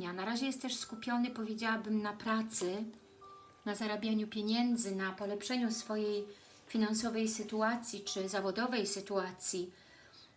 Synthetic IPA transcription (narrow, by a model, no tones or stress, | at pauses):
ɲanaɾaʑɛjɛst̪t̪ːɛʂskupʲjɔnɘpɔvʲjed͡ʑawabɘmnapɾat̪sɘ | nazaɾabʲjaɲupʲjeɲɛnd̪zɘnapɔlɛpʂɛɲusfɔjej | fʲinansɔvɛjsɘt̪uat̪sʲjit͡ʂɘzavɔd̪ɔvɛjsɘt̪uat̪sʲji